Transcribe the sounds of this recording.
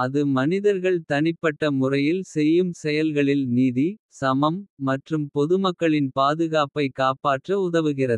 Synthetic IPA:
ɐðɯmɐnɪðɐɾɣɐɭt̪ɐɳɪpːɐʈːɐmʊrɐjɪlsɛjːɯmsɛjɐlɣɐɭɪlniːði | sɐmɐmːɐʈrɯmpɔðɯmɐkːɐɭɪnpaːðɯɣaːpɐɪkaːpaːʈrɐʊðɐʋɯɣɪrɐðɯ

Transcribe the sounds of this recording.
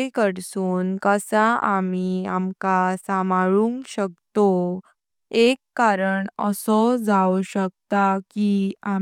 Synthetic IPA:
kəɽsuːnkəsaʔamiamkasamaɭuŋkɕək̚t̪o | ekːaɾəɳəsɔd͡zawɕək̚t̪akia

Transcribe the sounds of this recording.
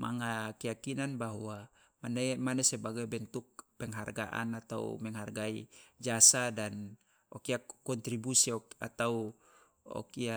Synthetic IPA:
ma̰ŋakɛjakinanbaɦua | manɛmanɛsɛbaɡabɛnt̪uk̚pɛŋɦarɡaʔa̰nat̪aṵmɛŋɦarɡaid͡ʒasadan | ɔkiakɔnt̪ɾibusiɔat̪au | ɔ̰kia

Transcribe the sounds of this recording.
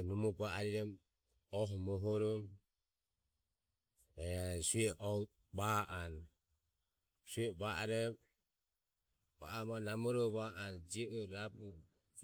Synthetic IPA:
numɔbaaɾiɾɛm | ɔɦmɔɦɔɾɔm | ɛsuɛʔɔ | baʔan | suɛbaʔaɾɛ | ba̰ʔamanamɔɾɔβaʔand͡ʒiɔɔɾabu

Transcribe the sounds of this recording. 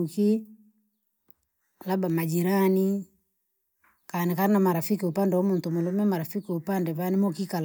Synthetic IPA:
uki | labamad͡ʒiɾani | kanikaɾinamaɾafikiupandɛwamuntumulɔmɛmaɾafikiupandɛβanimɔkikal

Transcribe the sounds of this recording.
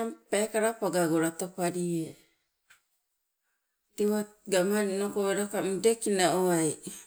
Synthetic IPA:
ampaekaɾapaɡaɡoɾatopaɾie | tiwaɡamaɾinokoeɾakamudekinaoaj

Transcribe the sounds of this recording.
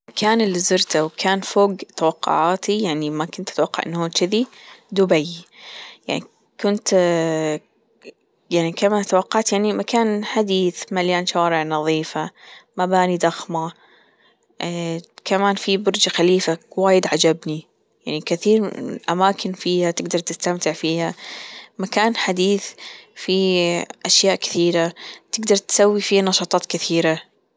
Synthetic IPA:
kʰaːnɪlːizʊɾt̪awkʰaːnfoːɡt̪awɑqːʊ̰ʕaːt̪ijaʕnimakʊnt̪ʔat̪wɑqːɑ̰ʕʔɪ̰nːhuːt͡ʃɪðid̪ʊbaj | ja̰ʕni | kʊnt̪ | jaʕnikamaːnt̪awɑqːɑʕt̪jaʕnimakaːnħad̪iːθmaljaːnʃaːɾɪʕnɑðˤiːfamabaːnid̪ɑxma | kamaːnfibʊɾd͡ʒaxaliːfawaːjɪd̪ʕad͡ʒabni | jaʕnikɪθiːɾʔamaːkʰɪnfiːhat̪ɪɡd̪ɑɾˤt̪ɪst̪amt̪ɪʕfiːhamakaːnħad̪iːθfiʔaʃjaːʔkɪ̥θiːɾat̪ɪɡd̪ɑɾˤt̪sawːifiːnɑʃɑːt̪ˤɑːt̪kɪθiːɾa

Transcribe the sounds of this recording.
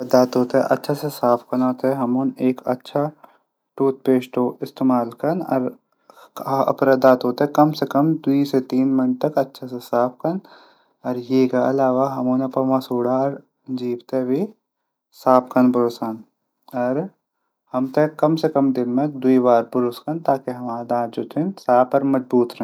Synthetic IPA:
ɐd̪aːt̪ɦoːt̪eɛ̰ʔɐ̰tːʃʰasesaːpʰkɐnɦoːt̪eɦɛɦɐmoːneːkɐ̰tːʃʰa | ʈuːt̪̚peːʃʈoːɪst̪eːmaːlkɐnɔ̰ɾ | ɐ̰pɾɐd̪aːt̪ɦoːt̪eɛkɐmsekɐmd̪ʊiset̪iːnmɪnt̪ɐkɐtːʃʰasesaːp̚kɐn | ɔːɾjeːkaɐ̰laːʋaɦɐmõːnapɐmasuːɽaːɾ | d͡ʒiːbt̪eʋi | saːp̚kɐnpɐɾoːsaːn | ɔːɾ | hɐmt̪ɐkːɐmsekɐmd̪ɪnmek̚d̪ʊibaːɾpʊɾʊskɐnt̪aːkeɦɐmaːd̪ãːt̪̚d͡ʒoːt̪ʰẽnsaːpɐɾmɐd͡ʒbuːt̪ɾɐɦ

